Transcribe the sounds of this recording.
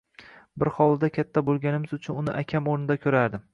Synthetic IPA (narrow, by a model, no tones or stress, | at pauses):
bɪɾhɒlˠd̪akʲʰat̪ʰːabolˠɡʲanɪmɪzʊt͡ʃʰʊnʊnɪ̰ʔakʲʰamoɾnɪd̪akʲʰɵɾaɾd̪ɪ